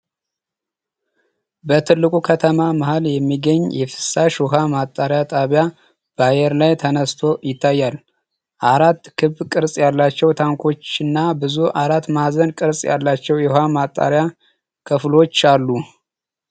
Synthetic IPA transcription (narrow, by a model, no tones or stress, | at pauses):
bət̪ʰɨlːɨkʼukʰət̪ʰəmamaɦaljɛmːiɡəɲːjɛfɨ̥saʃɔɦamat̪ʼːaɾjat̪ʼaβja | b̥ajɛɾlajt̪ʰənəst̪ʰo̞jɪt̪ʰːajːal | ʔaɾat̪ːkʰɨβkʼɨɾsʼjalːat͡ʃːɛwt̪ʰaŋkʰo̞t͡ʃːɨnːabɨzuʔaɾat̪ːmazənkʼɨɾsʼja̰lːat͡ʃːɛwjɛhamat̪ʼːa̰ɾja | kʰəflo̞t͡ʃːalːu